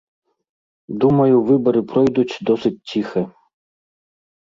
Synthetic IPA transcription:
d̪umɐjuvɪbɐɾɨpɾɔjd̪utʲd̪ɔsɨtʲtʲːixɛ

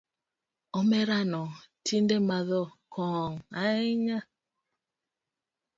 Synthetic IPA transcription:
ɔmɛɾanɔtʰindɛmaðɔkʰɔŋaiɲa

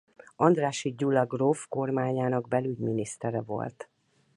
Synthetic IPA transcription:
ɒnd̪raːʃiɟulːɒɡrofko̞rmaːɲaːnɒɡbɛlyɟminist̪ɛɾɛvo̞̰lt̪

